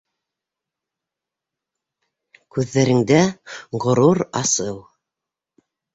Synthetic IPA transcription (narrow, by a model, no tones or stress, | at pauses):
kʉðːæɾɘ̆ŋd̪æʁŏɾuɾɑsɤw